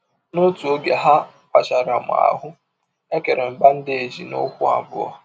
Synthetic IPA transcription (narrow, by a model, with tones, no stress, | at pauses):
no˦tu˨o˦ɡe˨ɦa˦ | pa˨t͡ʃa˨ɾa˨mʊ̰˨a̰˨ɦʊ˦ | e˦ke˨ɾe˨m̩˨ɡ͡ba˦n̩˦dɪ˦e˨d͡ʒi˨no̰˦kʷʊ˦a̰˨bʊ̰˦ɔ̰˦